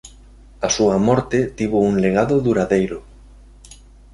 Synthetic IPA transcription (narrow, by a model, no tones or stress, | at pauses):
asuɐmɔɾt̪et̪iβouŋleɣaðʊðuɾaðejɾʊ